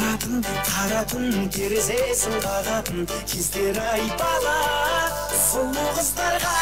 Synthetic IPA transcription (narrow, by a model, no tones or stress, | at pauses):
et̪ɪnd̪ɪqʰɑɾɑt̪ənk̪ʲʰeɾesesɪɴqɑʁɑt̪ən | kʲʰezd̪eɾɪɑjpɑlˠɑ | sʊmʊʁəzd̪ɑɾʁɑ